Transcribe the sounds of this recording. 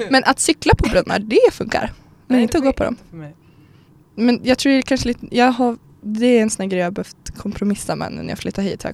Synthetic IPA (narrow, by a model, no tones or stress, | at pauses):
mɛnʔat̪sʏklapʰɔbɾœnmːa̰ɖɛfɵ̰ŋka̰ɾ | mɛnɪnt̪əɔɡoːpʰɔd̪ɔ̰m | mɛnjɑɡt̪ʰɾuːkʰanʂəliːt̪əjɑːɡɦaɾ | d̪ɛɾɛnsɔnæːɡɾɛjɑːbɛhœft̪kʰɔmpʰɾʊmɪsːama̰nːə̰nːjɑ̰flɪt̪ːahḭːt̪h